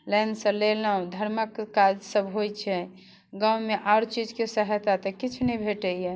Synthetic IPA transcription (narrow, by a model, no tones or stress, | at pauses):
lɛnsə̃leləũd̪ʱəɾməkkad͡ʒsəbʱɦojt͡ʃʰɛ | ɡawmeʔaːɾt͡ʃid͡ʒkesəɦt̪at̪əkit͡ʃʰnəibʱeʈəijɛ